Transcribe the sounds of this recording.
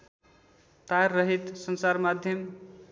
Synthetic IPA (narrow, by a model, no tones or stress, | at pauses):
t̪aɾːʌɦit̪sʌnsaɾmad̪ʱjʌm